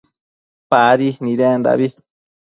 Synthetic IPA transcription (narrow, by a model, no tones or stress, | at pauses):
paðinĩɾend̪a̰βi